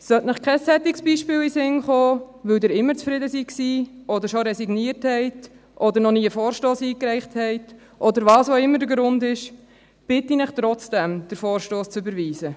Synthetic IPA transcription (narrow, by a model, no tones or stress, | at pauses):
sœtnəχkʰɛsːɛt̪ɪksb̥iːʃpɪːwisɪŋχoːʋɵwdɪɾɪmːəɾt͡sfɾɪdəsiksiːɔdəɾʃɔɾɛsiɡniːəɾthɛɪt | ʔɔd̪əɾnɔniːəfɔːɾʃtoːsiːkɾɛɪχthɛɪt | ʔɔd̪əɾʋɑːsoɪmːəɾdəɾɡɾʊndɪʃ | b̥ɪtːinɪχtɾɔt͡sd̥ɛmd̥əɾfɔːɾʃtoːst͡sʏbəɾʋiːzə